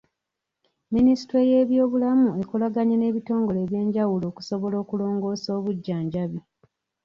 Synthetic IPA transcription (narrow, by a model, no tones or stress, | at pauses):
minisi̥twe̞je̞ːβjo̞ːβulamue̞kulaɡaɲene̞βito̞ːŋɡo̞le̞ːβje̞ːɲɟawulo̞ːku̥so̞βo̞lo̞ːkulo̞ːŋɡo̞ːso̞ːβuɟːaːɲɟaβi